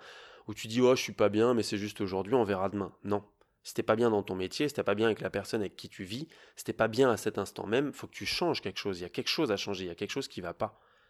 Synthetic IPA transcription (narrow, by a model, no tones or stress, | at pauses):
ut̪yd̪iaʃsɥipabjɛ̃mɛsɛʒyst̪oʒuʁd̪ɥiɔ̃vɛʁad̪əmɛ̃nɔ̃ | se̥t̪ɛpabjɛ̃d̪ɑ̃t̪ɔ̃met̪jese̥t̪ɛpabjɛ̃avɛklapɛʁsɔnavɛkʲːit̪ʰyvise̥t̪ɛpabjɛ̃asɛt̪ɛ̃st̪ɑ̰̃mɛmfokə̥t̪ʰyʃɑ̃ʒkʲɛlkə̥ʃoziljakʲɛlkə̥ʃozaʃɑ̃ʒeiljakʲɛlkəʃozkʲivapa